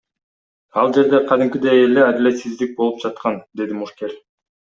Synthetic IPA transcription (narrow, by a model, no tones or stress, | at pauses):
ɑlˠd͡ʒe̞ɾd̪eqʰɑd̪imkʲid̪ejelead̪ilʲe̞t̪sizd̪ik̚bo̞lˠup̚d͡ʒɑt̪̚qɑnd̪e̞d̪imuʃke̞ɾʲ